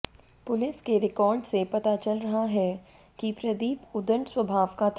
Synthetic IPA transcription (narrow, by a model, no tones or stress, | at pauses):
pʊlɪskeɾɪkɔːɾɖsepɐt̪at͡ʃɐlɾɐɦaɦɛ | kipɾɐd̪iːpʊd̪əɳswɐbʱaːʋkat̪ʰ